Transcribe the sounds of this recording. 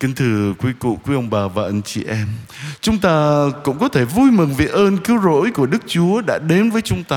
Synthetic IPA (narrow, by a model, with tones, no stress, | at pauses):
ki˧ŋt̪ʰɨ˨˩kwi˨˦kṵ˧˨kwi˨˦ʔə˧wŋ͡mɓaː˨˩vaː˨˩ʔa˧ŋt͡ɕi˧˩ʔɛ˧m | t͡ɕʊ˨˦ŋ͡mt̪aː˧kʊ̰˧˥ŋ͡mkɔ˨˦t̪ʰe˧˩vu˧jmɨ˨˩ŋve˨˩ʔəː˧nkɨ˨˦əwzo̰˧˥jku˧˩əɗɨ˦˥k̚t͡ɕu˨˦əɗa̰ː˧˥ɗe˨˦nvəː˨˦jt͡ɕʊ˨˦ŋ͡mt̪aː˧